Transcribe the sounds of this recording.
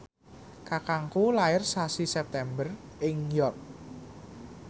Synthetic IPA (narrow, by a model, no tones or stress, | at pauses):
kakaŋkulaɪrsasisɛp̚t̪ɛmbər | ɪŋjɔrk̚